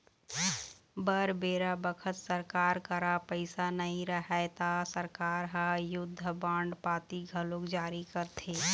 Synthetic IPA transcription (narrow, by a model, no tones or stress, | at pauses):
bəɾbeːɾabəkʰət̪səɾkaːɾkəɾapəɪsanəɦĩɾəɦɛt̪asəɾkaːɾɦajʊd̪ʱːəbãːɳɖpaːt̪iɡʱəlokd͡ʒaːɾikəɾt̪ʰeː